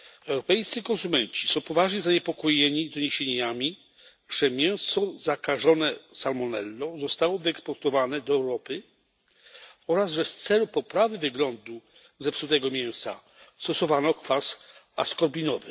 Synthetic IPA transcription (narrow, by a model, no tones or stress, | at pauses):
ɛwɾɔpɛjt̪sɨkɔ̃nsumɛnt͡ɕi̥sɔ̃w̃pɔvaʐɲɛzaɲɛpɔkɔjeɲid̪ɔɲeɕeɲamʲi | ʐɛmʲjɛw̃sɔzakaʐɔnɛsalmɔnɛlːɔzɔst̪awɔvɘɛkspɔɾt̪ɔvanɛd̪ɔɛwɾɔpɘ | ɔɾasʐɛst̪sɛlupɔpɾavɘvɘɡlɔnd̪u | zɛfsut̪ɛɡɔmʲjɛ̃w̃sa̰ | st̪ɔsɔvanɔkfasa̰skɔɾbʲinɔvɘ